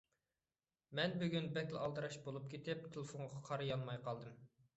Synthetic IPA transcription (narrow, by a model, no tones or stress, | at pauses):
mɛnbyɡʲynbɛkʲlˠɑlˠd̪ɨɾɑʃbolˠup̚kʲʰet̪ɪp̚t̪ʰelˠɪfoŋʁʁɑqʰɑɾɨjɑnmɑjqʰɑlˠd̪ɨm